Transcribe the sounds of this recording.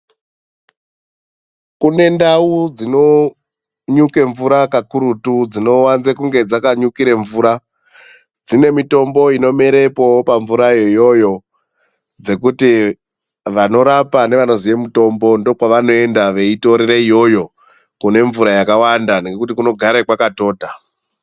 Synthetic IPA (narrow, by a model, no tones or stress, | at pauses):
kune̞ndaud͡zino̞ | ɲuke̞ɱvuɾakakuɾutud͡zino̞wanzekuŋɡe̞d͡zakaɲukiɾeɱvuːɾa | d͡zine̞mito̞mbo̞ino̞me̞ɾe̞po̞paɱvuɾajojo̞jo̞ | d͡ze̞kuti | ʋano̞ɾapane̞ʋano̞ziʋe̞muto̞mbo̞ndo̞kwaʋano̞e̞ndaʋe̞ito̞ɾereijo̞jo̞ | kune̞ɱvuɾajakawandaneɡekutikuno̞ɡʱaɾekwakato̞ːta